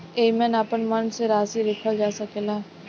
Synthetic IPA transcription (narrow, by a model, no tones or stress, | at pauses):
eːimɛ̃ːnaːpənmənseɾaːsiɾɪkʰəd͡ʒaːsəkeːlaː